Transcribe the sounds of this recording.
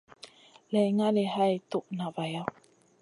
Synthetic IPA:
la˨jŋa˦le˨ha˦jt̪o˦ʔna˨va˨ja˦

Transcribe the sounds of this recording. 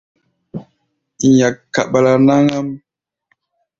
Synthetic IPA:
a˨kːa˨ɓa˨la˨na˦ŋa˦m

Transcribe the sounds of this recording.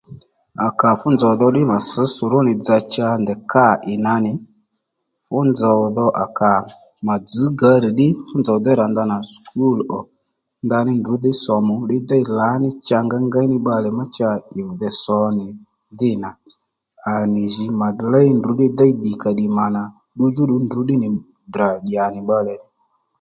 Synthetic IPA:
a˨ka˨fʊ˦nd͡zɔ˨wðɔ˧ɗɪ˦ma˨sə˨˦sʊ˨ɾʊ˦nɪ˨d͡za˧t͡ʃa˧nd̪ɛ˨ka˦ɪ˨na˧nɪ˨ | fʊ˦nd͡za˨ðɔ˧ʔa˨ka˨ | ma˨d͡zɨ˨˦ɡa˨˧˦ɾi˨ɗɪ˦fʊ˦nd͡zɔ˨d̪ɔ˦ɾa˨nd̪a˧na˨skʰu˦˨lɔ˨ | nd̪a˧nɪ˦ndʊ˨˦dɪ˦sɔ˨mʊ˨ɗɪ˦d̪a˦i˦la˨˦nɪ˦t͡ʃa˧ŋɡa˦ŋɡa˦i˦nɪ˦ɓa˧lɛ˨ma˦t͡ʃa˧ɪ˨ðɛ˨sɔ˨˦nɪ˨ | ðɪ˦na˨ | a˨nɪ˨ʒi˨˦ma˨dla˦i˦ndʊ˨˦dɪ˦d̪a˦i˦d̪i˨ka˨ɗi˨ma˨na˨ | ɗu˧d͡ʒu˦ɗu˧ndu˨˦ɗɪ˦nɪ˨ | dra˨ɗja˨nɪ˨ɓa˧lɛ˨nɪ˨

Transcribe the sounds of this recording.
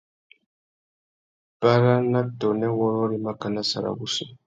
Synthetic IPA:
ba˦ɾa˦na˦dɔ˨nɛ˦wɔ˦ɾɔ˦ɾi˦ma˦ka˨na˦sa̰˨ɾa̰˨βu˦sɛ˦˨

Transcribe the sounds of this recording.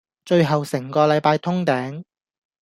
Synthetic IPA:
t͡ʃɵ˧ɥɦɐ˨wsɪ˨˩ŋkɔː˧lɐ˨˧jpaː˧jt̪ʰʊ˥ŋt̪ɛː˨˥ŋ

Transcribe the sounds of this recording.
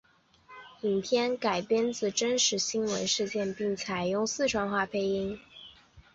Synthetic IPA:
i˨˩ŋt̪ʰjɛ˥nka˨˩ɪpjɛ˥nt͡sɹ̩˥˩ʈ͡ʂə˥nʂɻ̩˧˥ɕi˥nwə̰˧˥nʂɻ̩˥˧t͡ɕjɛ˥˧npi˥˩ŋt͡sʰa˨˩ɪjʊ˥˧ŋsɹ̩˥˧ʈ͡ʂʰwɑ˥˧ŋxwa˥˩pʰe˥ɪi˥ŋ

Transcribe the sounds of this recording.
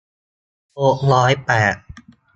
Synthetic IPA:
ho˨˥k̚ɾɔː˦˥jpɛː˨˩t̪̚

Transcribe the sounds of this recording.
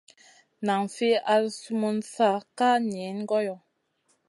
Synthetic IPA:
na˨ŋfe˦ʔa˦lsu˦mu˦nsa˦˨ka˦n˨e˨˦n˦ɡɔ˦jɔ˨

